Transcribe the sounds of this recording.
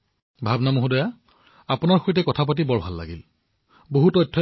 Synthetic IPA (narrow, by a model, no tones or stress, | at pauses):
bʱabnamoɦudɔja | apunaɹxojtɛkɔtʰap̬at̬ibɔɹbʱalːa̰ɡḭl | boɦutɔjtʰːɔ